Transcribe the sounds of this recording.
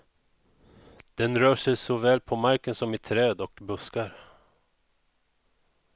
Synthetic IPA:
d̪̥ɛnɾœːʂɛjsɔvɛːlpʰɔmaɾkənsɔmɪt̪ʰɾɛːd̪ɔkbɵskaɾ

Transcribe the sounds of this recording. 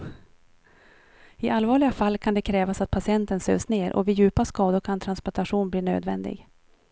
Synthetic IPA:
ɪʔalvɑːɭɪɡafalːkʰand̪ɛkʰɾɛːvasat̪̚pʰasɪɛnt̪ənsø̰ːsneːɾʔɔ̰vɪjʉ̟ːpaskɑːd̪ʊɾkʰant̪ʰɾanspɔʈ̪aɧuːnbliːnø̰ːd̪vɛnd̪ɪ̰ɡ

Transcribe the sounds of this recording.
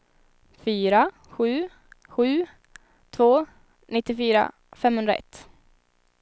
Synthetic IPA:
fyːɾa | ɧʉ̟ː | ɧʉ̟ː | t̪ʰvoː | nɪt̪ːɪfyːɾa̰ | fɛmhɵnɾa̰ɛ̰t̪ː

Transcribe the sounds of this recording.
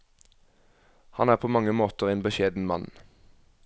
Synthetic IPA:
hɑ̰næːʁpʰoːmɑŋəmoːt̪əʁeːnbəʃeːd̪n̩mɑ̰n

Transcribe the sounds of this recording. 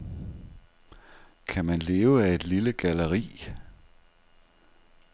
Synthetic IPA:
kʰæmænle̝ːʊəæe̝d̥liləɡ̥æləʁḭː

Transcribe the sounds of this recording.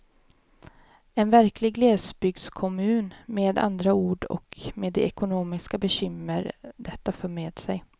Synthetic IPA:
ɛnvæɾkʰlɪɡleːsbʏɡ̪̚skʰɔmʉ̟ːnmeːd̪a̰nd̪ɾauːɖɔ̰kmeːd̪ɛɛkʊnoːmɪskabɛɕʏməɾd̪ɛt̪ːafœːɾmeːd̪sɛj

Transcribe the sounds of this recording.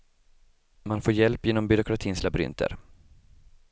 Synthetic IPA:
manfoːɾjɛlpːjeːnɔmbʏɾʊkɾat̪ʰiːnslabɾʏ̰nt̪ʰə̰ɾ

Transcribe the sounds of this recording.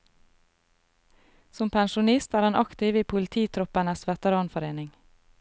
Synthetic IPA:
sɔmpʰænʃʊnɪst̪æːɾhɑːnʔɑkt̪ɪʋiːpʰʊlɪt̪ʰiːt̪ʰɾɔpənəsʋɛt̪əɾɑːnfɔɾeːnɪŋ

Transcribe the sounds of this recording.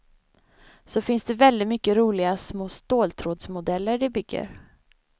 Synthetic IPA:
sɔfɪnsd̪ɛvɛld̪ɪt̪mʏkːəɾuːlɪɡasmoːst̪oːlt̪ʰɾoːd̪smʊd̪ɛlːəɖɪbʏɡːə̰ɾ

